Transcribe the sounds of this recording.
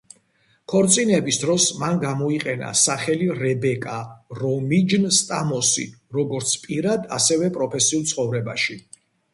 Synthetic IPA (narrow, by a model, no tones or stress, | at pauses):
kʰɔɾt̪sʼinɛbisd̪ɾɔsmanɡamɔiqʼɛna̰saχɛliɾɛbɛkʼaɾɔmid͡ʒnst̪ʼamɔsḭɾɔɡɔɾt̪sʰpʼiɾad̪a̰sɛvɛpʼɾɔpʰɛsiulˠt̪sʰχɔvɾɛba̰ʃi